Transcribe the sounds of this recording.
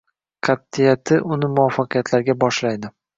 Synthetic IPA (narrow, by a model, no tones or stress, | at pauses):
qʰɑt̪ːɪjat̪ʰɪʔʊnɪmʊɒfːɑqʰɨjat̪ʰlaɾɡʲabɒʃlajd̪ɪ